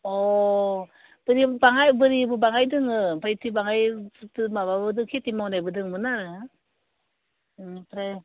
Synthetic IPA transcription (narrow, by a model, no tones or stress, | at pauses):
ɔ | b̥ɯɾibaŋajbɯɾibɯbaŋajdɯŋɯbajtʰibaŋajtɯmaβabɯdɯŋkʰetimawnajbɯdɯŋmɯnaɾɯ | pɾa